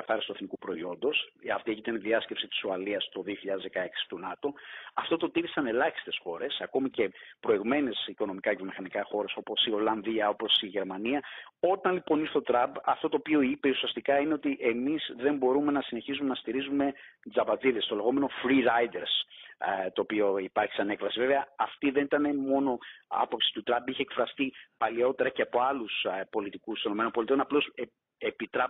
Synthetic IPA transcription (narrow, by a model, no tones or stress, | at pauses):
ɐθɐɾist̪ue̞θnikupɾo̞io̞nd̪o̞sɐft̪ieçit̪ɐniðiɐscepsit̪i̥soɐliɐst̪o̞ðio̞çiʎɐðezðe̞kɐe̞ksi̥t̪unɐt̪o̞ɐft̪o̞t̪o̞t̪iɾisɐne̞lɐçi̥st̪e̞sxo̞ɾe̞sɐko̞mice̞pɾo̞iɣme̞nesiko̞no̞mikɐʝomixɐnikɐxo̞ɾe̞so̞po̞sio̞lɐnðiɐo̞po̞siʝe̞ɾmɐniɐo̞t̪ɐnlipo̞niɾθetot̪ɾɐbɐft̪o̞t̪oːpio̞ipe̞usiɐst̪ikɐine̞o̞t̪iʔemizðe̞mbo̞ɾume̞nɐsine̞çizume̞nɐst̪iɾizume̞d͡zɐpɐt͡siðest̪o̞le̞ɣo̞meno̞fɾiɾɐjd̪eɾs | t̪o̞ːpio̞ipɐɾçi̥sɐne̞kvɐsive̞veɐɐft̪iðe̞nit̪ɐne̞mo̞no̞ɐ̰po̞psist̪ut̪ɾɐbiçe̞ːkfɾɐst̪ipɐlio̞t̪e̞ɾɐce̞ɐpo̞ɐluspo̞lit̪ikust̪ono̞me̞nopo̞lit̪io̞nɐplo̞se | epit̪ɾɐ